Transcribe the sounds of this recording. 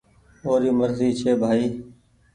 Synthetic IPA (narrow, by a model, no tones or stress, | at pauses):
oːɾiːməɾziːt͡ʃʰeːbʱaːiː